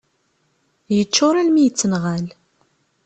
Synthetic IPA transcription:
jət͡ʃːʊɾˤælmijət͡sːənʁæl

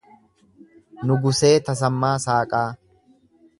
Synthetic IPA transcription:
nʊɡʊse̞ːt̪ɐs̬ɐmːaːsaːkʼaː

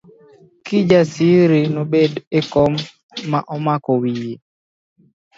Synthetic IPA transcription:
kid͡ʒasiɾinɔbedekɔmː | aʔɔmakɔwiji

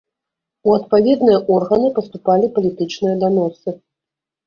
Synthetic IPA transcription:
uɐt̪̚pavʲɛd̪nɨjɐʔɔrɣɐnɨpɐst̪upalʲipɐlʲit̪ɨt͡ʂnɨjɐd̪anɔsɨ

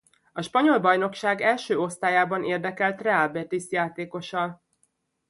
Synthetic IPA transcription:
ɒʃpɒɲo̞lbɒjno̞kʃaːɡɛlʃøːo̞st̪aːjaːbɒnʔeːrd̪ɛkɛlt̪rɛaːlbɛt̪isjaːt̪eːko̞ʃɒl

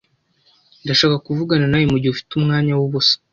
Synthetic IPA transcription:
ndaʃaːkakuvuɡananajimuɟihufi̥tumŋaːɲawuβusḁ

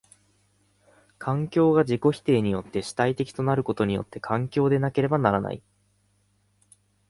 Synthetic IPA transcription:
kʰãŋkʲo̞ːɡad͡ʑiko̞çi̥t̪e̞ːɲ̟ijo̞t̪ːe̞ɕi̥t̪ait̪e̞kʲi̥t̪o̞naɾɯ̟ko̞t̪o̞ɲ̟ijo̞̰t̪ːe̞kʰãŋkʲo̞ːd̪e̞nake̞ɾe̞banaɾana̰ḭ

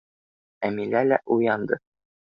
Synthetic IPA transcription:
æmilælæʔujɑnd̪ɤ

